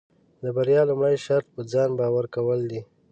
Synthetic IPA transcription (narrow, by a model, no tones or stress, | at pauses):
d̪əbaɾjɑlumɽəjʃaɾt̪̚pəd͡zɑnbɑwaɾkawəld̪i